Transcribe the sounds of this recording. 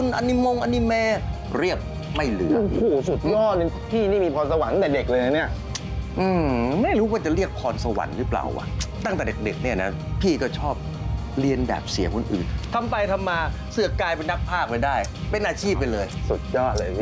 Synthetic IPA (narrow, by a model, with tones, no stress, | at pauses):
u˧˥nʔa˧nːi˦˥˩mo˧ŋʔa˧nːi˦˥mɛː˧ | ɾi˥˩əp̚ | ma˥˩jlɯ˨˩˦kʰuː˧˩su˨˩t̪̚jɔː˥˩nɯ˧pʰiː˥˩niː˥˩miː˧pʰɔː˧nsa˧wa˨˦n˦t̪ɛː˨˩de˨˩k̚lɤː˧na˧˩ni˦˥˩ɐ | ʔɯː˧˩ma˥˩jɾuː˦˥waː˥˩t͡ɕa˨˩ɾi˥˩ək̚pʰɔː˧nsa˧wa̰˩˦nɾɯː˦˥pla̰ː˨˩wʔa̰˩t̪a˥˩ŋt̪ɛː˨˩de˨˩k̚de˨˩k̚ni˥˩ɐna˦˥ | pʰiː˥˩kɔː˥˩t͡ɕʰɔː˥˩p̚ | ɾi˧ənbɛ̰ː˨˩p̚sḭ˨˩˦əkʰo˧nʔɯ̰ː˨˩nt̪ʰa˧mpa˧jt̪ʰa˧mːaː˧ | sɯ˨˩ɐ˦kaː˧jpe˧nːa˦˥k̚pʰaː˥˩k̚a˧jdaː˥˩j | pe˧nʔaː˧t͡ɕʰiː˥˩p̚ːa˧jlɤː˧jsu˨˩t̪̚jɔː˥˩t̪̚lɤː˧